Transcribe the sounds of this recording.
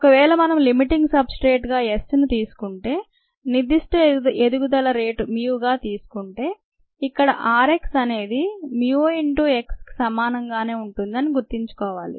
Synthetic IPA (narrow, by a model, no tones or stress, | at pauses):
ɔkɐʋɛːɭɐmɐnɐmlimiʈiŋɡsɐbsʈɾe̞ːʈɡaːesnut̪iːsu̥kuɳʈe̞ː | nid̪iʂʈued̪uɡud̪ɐlɐɾe̞ːʈmjuːɡaːt̪iːsu̥kuɳʈe̞ː | ikːɐɽɐʔaːɾe̞ksɐne̞ːd̪imjueɳʈuːe̞ksksɐmaːnɐŋɡaːne̞ːuɳʈund̪ɐniɡuɾt̪iɲt͡ʃu̥kɔːʋaːlḭ